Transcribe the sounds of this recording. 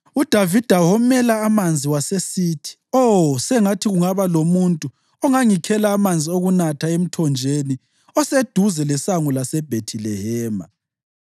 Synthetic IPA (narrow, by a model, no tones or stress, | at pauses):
ud̥ʱavid̥ʱaɦɔmɛlaːmand͡zʱiwasesiːtʰi̥ɔsɛŋatʰiɣuŋaβalomuntʼu | ɔŋaŋikʰɛlaːmand͡zʱioɣunatʰaem̩tʰɔnd͡ʒʱeni | ɔsed̥ʱuzɛlɛsaŋulasɛb̥ʱetʰilɛhɛːma̰